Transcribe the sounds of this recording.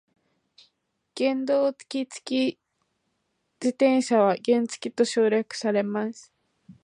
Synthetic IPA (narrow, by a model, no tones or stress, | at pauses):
ɡ̥ẽ̞nd̪o̞ːt͡sɨ̥kʲit͡sɨ̥kʲi | d͡ʑit̪ẽ̞ɰ̃ɕaβaɡẽ̞nt͡sɨ̥kʲit̪o̞ɕo̞ːɾjakɯ̟̥saɾe̞masɨ̥